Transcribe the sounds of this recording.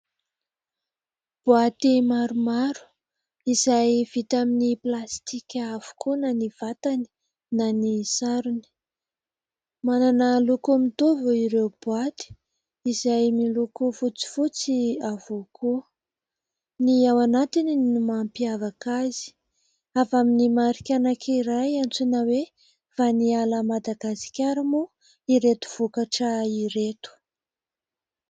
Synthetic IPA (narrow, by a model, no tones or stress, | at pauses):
b̥uat̪imaɾumaɾu̥ | izajv̥it̪aminiplast̪ikʲavu̥kʰunaniv̥at̪ani̥ | nanisaɾuni̥ | mananəlukumit̪ovuiɾewb̥uat̪i̥ | izajmilukufut͡si̥fut͡siavoku | niawanat̪ininumampiavakazi̥ | avaminimaɾikʲanakʰiɾajant͡sunawe | fanialəmad̪aɡasi̥kʲaɾimu | iɾet̪u̥v̥ukaʈ͡ʂəiɾet̪u̥